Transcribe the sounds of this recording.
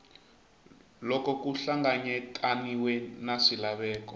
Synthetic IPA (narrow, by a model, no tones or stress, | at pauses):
lɔkɔkuɬaŋɡaɲɛtʼaniwɛnasilaβɛːkɔ